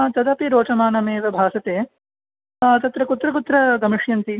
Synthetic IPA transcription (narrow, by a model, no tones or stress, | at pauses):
t̪ɐd̪ɐpiɾoːt͡ʃɐmaːnɐmeːʋɐbʱaːsɐt̪eː | t̪ɐt̪ɾɐkut̪ɾɐkut̪ɾɐɡɐmiʂjɐnt̪i